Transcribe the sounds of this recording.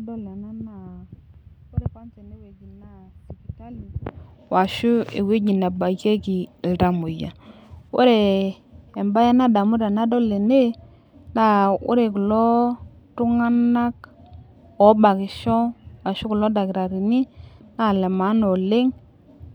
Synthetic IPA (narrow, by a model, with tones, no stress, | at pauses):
dɔ˦le˨na˦na˦˨ | o˦ɾe˨ka˦nt͡ʃe˨ne˦we˨d͡ʒi˨na˨˦si˨ki˨ka˦li˨ | wa˨ʃu˦e˨we˦d͡ʒi˨na˨ba˨ke˦ki˨lɾa˨mu˨ja̰˨wo̰˦ɾeː˨ | mba˦ja˦na˦da˨mu˦da˨na˦dɔ˦le˨ne˦ | na˦˨ṵ˦ɾe˨ku˨lɔ˦ | tu˦ŋa˦na˦k | o˨˦ba˨ki˨ʃɔ˦wa˨ʃu˦ku˨lo˦da˨ki˨ɾa˨ɾi˨ni˦na˦˨le˨ma˨˦no˨le˦ŋ